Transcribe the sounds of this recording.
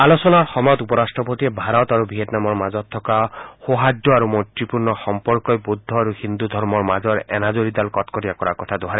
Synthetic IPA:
alosɔnaɹxɔmajɔt̪upɔɾastʰɔpot̪iɛbʱaɾɔt̪aɾubʱiet̪namɔɹmazɔt̪ʰːɔkaxoɦadːɔaɾumɔtɹipuɹnɔxɔmpɔɹkɔjbud̪ʱːɔaɾuhind̪ud̪ʱɔɹmɔɹmazɔɹɛ̰nazoɹid̪alkɔtkɔtiakɔɹakɔt̪ʰad̪ɔɦaɾɛ

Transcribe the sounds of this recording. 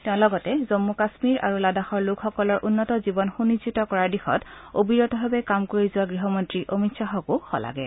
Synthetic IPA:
tɛʊ̃lɔɡɔtɛzomːukasmiɹʔa̰ɹuladaxɔɹlʊkxɔkɔlɔɹʔunːɔtɔzibɔnxunizitɔkɔɹaɹdixɔ̰tobiɹɔtɔbʱabɛkamkoɹizʊwaɡɹiɦɔmɔntɹiʔomitsaxɔkuxɔ̰la̰ɡɛ̰

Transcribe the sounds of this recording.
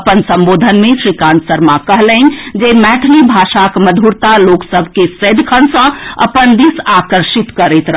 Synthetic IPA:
pənsə̃mbod̪ʱənmẽʃɾikãnsəɾmakəɦlənd͡ʒemɛʈʰlibʱaʃakməd̪ʱuɾt̪aloksəbʱkesəd̪kʰənsə̃ə̰pənd̪isakəɾʃit̪kəɾet̪ɾəɦ

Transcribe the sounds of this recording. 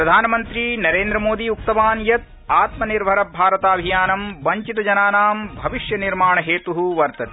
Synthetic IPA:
pɾɐd̪ʱaːnɐmɐnt̪ɾinɐɾeːnd̪ɾɐmoːd̪iuk̚t̪ɐʋaːnjɐt̪̚ | aːt̪mɐniɾbʱɐɾɐbʱaːɾɐt̪aːbʱijaːnɐmʋɐɲt͡ʃit̪ɐd͡ʒɐnaːnaːmbʱɐʋiʃjɐniɾmaːɳɐɦeːt̪uɦuʋɐɾt̪ɐt̪i

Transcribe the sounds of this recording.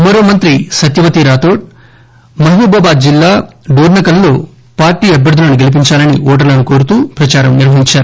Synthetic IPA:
mɐɾoːmɐnt̪ɾisɐt̪jɐʋɐt̪iɾaːt̪oːʈ̚ | mɐɦuːbɐːbaːd̪d͡ʒilːaːɖoːɾnɐkɐlːo̞ː | paːɾʈːiːɐbjɐɾd̪ʱɐlɐnuɡe̞lip̬iɲt͡ʃaːlɐniɔːʈ̬ɐɾlɐnukoːɾut̪uːpɾɐt͡ʃaːɾɐmniɾʋɐɦiɲt͡ʃaːɾu

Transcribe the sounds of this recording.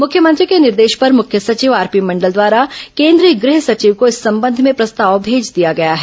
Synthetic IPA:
mʊkʰjəmə̃nt̪ɾikenɪɾd̪eːʃpɐɾmʊkʰjəsɐt͡ʃiːʋaːɾpimɐ̃ɳɖəld̪waːɾakẽːnd̪ɾiəɡɾɪɦsɐt͡ʃiːʋkoɪsːɐ̃mbə̃nd̪ʱmẽpɾɐst̪aːʋbʱeːd͡ʒd̪ijaɡɐjaɦɛː

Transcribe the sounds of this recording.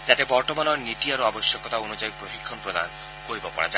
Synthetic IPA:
d͡ʒat̪ebɔɾt̪ɔmanɔnit̪iaɾuabɔsjɔkɔt̪aonud͡ʒajpɾoɦikʰːɔnpɾod̪a̰nɔ | koɾibɔpɔ̰ɽa̰d͡ʒa

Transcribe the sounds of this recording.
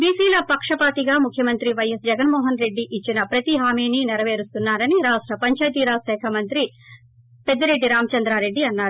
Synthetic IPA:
biːsiːlɐpɐkʂɐpaːt̪iɡaːmukʰjɐmɐnt̪ɾiʋɐjɐsd͡ʒɛɡɐnmɔːɦɐnɾe̞ɖːiʔːt͡ʃːinɐpɾɐt̪iɦaːmiːninɛɾɐʋeːɾust̪unːaːɾɐniɾaːʂʈɾɐpɐɲt͡ʃaːjt̪iɾaːsɛːkʰɐmɐnt̪ɾi | ped̪ːɐɾe̞ɖːiɾaːmɐt͡ʃɐnd̪ɾaːɾe̞ɖːiɐnːaːɾu

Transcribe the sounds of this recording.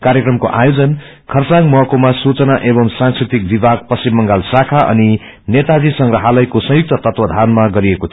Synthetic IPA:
kaɾjekrʌmko̰ʔa̰jod͡zʌn | kʰʌrt͡saŋmʌɦkomasut͡sʌnaʔebʌmsãnskrit̪ik̚bibʱaɡ̚pʌsimːʌŋɡalsakʰaʔʌ̰ni | net̪ad͡zisʌŋɡrʌɦalʌjkosʌ̃juk̚t̪ʌt̪ʌt̪wʌd̪ʱanmaɡʌɾiekot̪ʰ

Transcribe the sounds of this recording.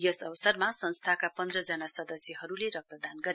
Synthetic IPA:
jʌsʌwsʌrmasʌnst̪ʰakapʌnd̪rʌd͡zʌnasʌd̪ʌsjʌɦʌɾuleɾʌk̚t̪ʌd̪anɡʌɾ

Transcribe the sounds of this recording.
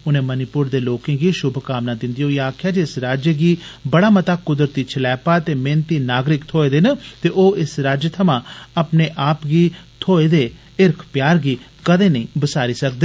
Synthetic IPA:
ʊnẽːmənipʊɾd̪eːloːkɪ̃ːɡiːʃʊbʱkaːmnãːd̪ɪnd̪ijoːiaːkʰjaːd͡ʒeɪsɾaːd͡ʒəɡiːbəɽaːmət̪aːkʊd̪əɾət̪iːt͡ʃʰəlɛːpaːt̪eːmẽːnt̪iːnaːɡɾɪkt̪ʰoːeːd̪eːnət̪eːʔoːʔɪsɾaːd͡ʒət̪ʰəmãːəpneːʔaːpɡiːt̪ʰoːeːd̪eː | ɪɾkʰpjaːɾɡiː | kəd̪eːnəĩːbəsaːɾiːsək̚d̪eː

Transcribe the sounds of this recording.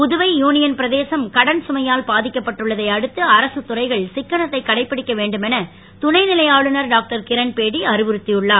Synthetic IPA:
pʊðɯʋɐɪjuːnɪjɐnpɪɾɐðeːsɐmkɐɽɐnsʊmɐjaːlpaːðɪkːɐpːɐʈːɯɭːɐðɐɪɐɽɯt̪ːɯɐɾɐsɯt̪ːʊrɐɪɣɐɭsɪkːɐɳɐt̪ːɐɪkːɐɽɐɪpːɪɽɪkːɐʋeːɳɖɯmɛnɐ | t̪ʊɳɐɪnɪlɐjaːɭɯnɐɾɖaːk̚ʈɐɾkɪɾɐnpeːɽiɐɾɯʋɯɾɯt̪ːijɯɭːaːɾ

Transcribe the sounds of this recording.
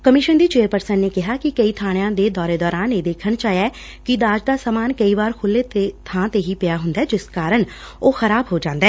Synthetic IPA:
kəmɪʃənd̪iːt͡ʃeːəɾpəɾsənneːkɪɦaːkɪkəiːt̪ʰaːɽ̃ejãːd̪eːd̪ɔːɾeːd̪ɔːɾaːneːd̪eːkʰəɳt͡ʃaːjɛː | kɪd̪aːd͡ʒd̪aːsaːmaːnkəiːʋaːɾkʰʊlːeːt̪ːt̪ʰãːt̪eːɦiːpɪjaːɦʊnd̪aːd͡ʒɪskaːɾəɳ | oːxəɾaːbɦoːd͡ʒãːnd̪aɛː

